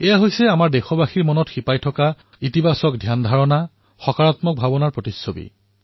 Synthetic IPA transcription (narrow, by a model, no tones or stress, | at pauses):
ɛjaɦojsɛamaɹdɛxɔbaxiɹmɔnɔtxipajtʰɔka | itibʱasɔk̚dʱjandʱaɹɔna | xɔkaɹatmɔk̚bʱabɔnaɹpɹotisːobḭ